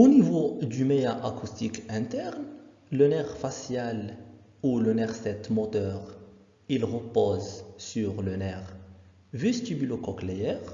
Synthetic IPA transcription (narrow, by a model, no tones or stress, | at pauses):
onivod̪ymeaʔakust̪ikɛ̃t̪ɛʁn | lənɛʁfasjal | ulənɛʁsɛt̪mɔt̪œːʁ | ilʁəpozsyʁlənɛʁ | vɛst̪ybylokɔklejɛʁ